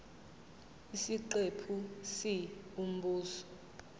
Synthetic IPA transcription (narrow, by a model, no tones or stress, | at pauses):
isiǃepʰusium̩buːsɔ̥